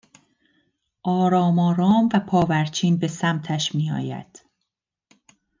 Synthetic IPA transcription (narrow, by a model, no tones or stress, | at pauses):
ʔɒːɾɒːmɒːɾɒːmvæpʰɒːvæɾt͡ʃʰiːnbe̞sæmt̪ʰæʃmiːɒ̰ːjæ̰d̪̥